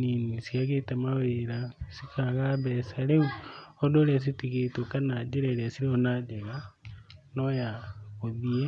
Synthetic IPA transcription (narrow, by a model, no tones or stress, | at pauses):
ninisiaɣetemaweɾasikʰaɣaβɛsaleuodoɾeas̬itiɣetokanad͡ʒeɾeɾiasiɾeonad͡ʒeɣa | nojaɣoðie